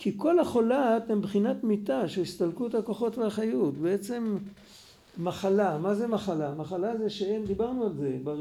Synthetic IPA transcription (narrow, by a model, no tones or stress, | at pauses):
kʰiko̞laχolat̪embχinat̪mitaʃeist̪alkuethakoχo̞tveaχajutbeet͡se̞mː | aχalamazemaχalamaχalazeʃeend̪ibaʁnualzeba